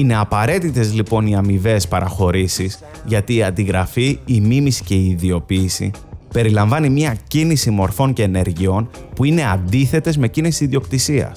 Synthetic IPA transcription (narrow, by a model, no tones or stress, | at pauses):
ine̞ɐpɐɾe̞t̪it̪e̞zlipo̞niɐmive̞spɐɾɐxo̞ɾisis | ʝɐt̪iːɐnd̪iɣɾɐfiːmimisi̥ce̞iːðio̞piːsḭ | pe̞ɾilɐɱvɐnimɲɐcinisimo̞ɾfo̞nce̞ːne̞ɾʝio̞n | puine̞ɐnd̪iθe̞t̪e̞zme̞cinisiiðio̞kt̪isiɐ̰s